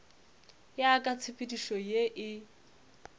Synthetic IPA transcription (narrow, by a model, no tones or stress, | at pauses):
jakʼat͡sʰɪpʼɪdiʃɔjeʔɪ